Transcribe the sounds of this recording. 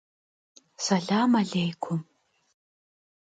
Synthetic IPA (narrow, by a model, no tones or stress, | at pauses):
sɐɮaːmaɮejkʷʰʊm